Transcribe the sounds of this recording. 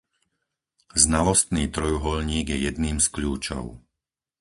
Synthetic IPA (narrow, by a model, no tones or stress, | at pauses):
znalɔst̪niːt̪ɾɔjuɦɔlɲiːɡjɛjɛd̪niːmskʎuːt͡ʃɔ̰ʊ